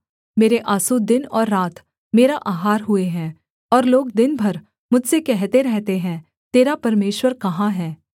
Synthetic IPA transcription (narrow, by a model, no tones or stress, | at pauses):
meːɾeʔaːsud̪ɪnɔːɾːaːt̪ | meːɾaʔaːɦaːɾɦʊeɦɛ̃ː | ɔːɾloːɡd̪ɪnbʱɐɾ | mʊd͡ʒʱsekɛɦt̪eɾɛɦt̪eɦɛ̃ː | t̪eːɾapɐɾmeːʃwəɾkɐɦãɦɛː